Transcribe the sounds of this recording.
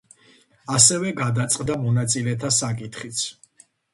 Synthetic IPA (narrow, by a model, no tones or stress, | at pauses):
asɛvɛɡad̪at̪sʼqʼd̪amɔnat̪sʼilɛt̪ʰasakʼit̪ʰχit̪sʰ